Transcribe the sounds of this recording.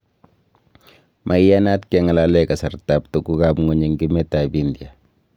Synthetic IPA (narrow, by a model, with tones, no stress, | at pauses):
mʔa˨jja˦na˦tkɛ˦ŋa˨lalɛka˨sa˨rta˨p̚tu˨ku˦ka˨bŋo˨ɲe˨ŋɡi˦mɛ˦ta˨bindja˨